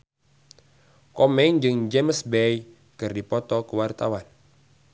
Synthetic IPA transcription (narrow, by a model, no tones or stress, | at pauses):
kɔmɛnd͡ʒɨŋd͡ʒeməsbej | kɨrdipɔt̪ɔkəwart̪awan